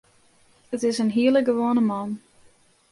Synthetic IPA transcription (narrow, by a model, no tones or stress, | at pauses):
ətɪsənɦiələɡəʋoənəmɑn